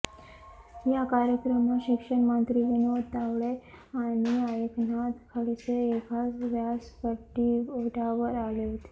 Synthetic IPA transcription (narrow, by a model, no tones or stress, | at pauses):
jakaɾjəkɾəmaɕikʂəɳmənt̪ɾiʋinuʋədt̪ːaʋɭeaɽ̃iajiknat̪kʰəɭiseekʰasʋjaspəʈːiəʈʰaʋəɾaleʋt̪e̥